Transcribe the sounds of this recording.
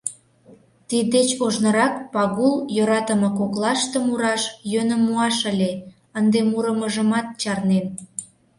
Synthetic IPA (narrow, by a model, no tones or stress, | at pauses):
t̪id̪et͡ɕoʒnə̆ɾɑkpɑɣuljoɾɑt̪əmɤ̆koklɑʃt̪ə̆muɾɑʃjønə̆mːuɑʃəlʲe | ənd̪emuɾəməʒəmɑt̪̚t͡ɕɑrnen